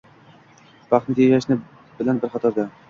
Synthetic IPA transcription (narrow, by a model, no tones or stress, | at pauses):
b̥ɑχt̪nɪt̪ʰeʃaʃnɪ | bɪlanbɪɾχɑt̪ʰɒɾd̪a